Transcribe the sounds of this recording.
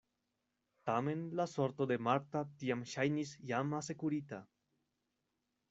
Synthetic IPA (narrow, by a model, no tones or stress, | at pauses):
t̪ame̞nlaso̞ɾt̪od̪e̞maɾt̪at̪iamʃajnisjamase̞kuɾit̪a